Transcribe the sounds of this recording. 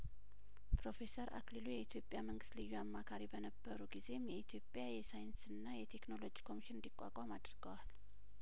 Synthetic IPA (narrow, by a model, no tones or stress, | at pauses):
pɾo̞fe̞səɾʔa̰klilujɛit̪ʰjopʼjaməŋɡɨst̪lɨjːuamːakʰaɾibənəbːəɾuɡize̞mjɛit̪ʰjo̞pʼjajɛsajɨnsɨnːajɛt̪ʰe̞kno̞lo̞d͡ʒi̥kʰo̞miʃɪnnd̪ikʼːa̰kʼamad̪ɾɡəwal